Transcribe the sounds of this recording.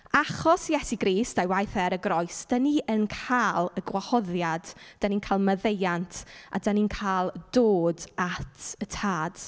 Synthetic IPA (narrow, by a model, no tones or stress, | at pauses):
aχɔsjɛsiɡɾiːstajwajθɛɾəɡrɔɨsd̥əniənkʰaːlˠəɡwahɔðjad̥d̥əninkʰalˠməðejantʰa̰dəninkʰaːlˠd̥oːdatʰətʰaːd̥